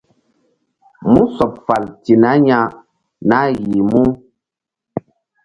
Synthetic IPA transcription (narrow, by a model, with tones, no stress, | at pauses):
mu˦sɔ˨p̚fa˨lti˨na˨˦ɲa˦ | na˦ɣi˨mu˦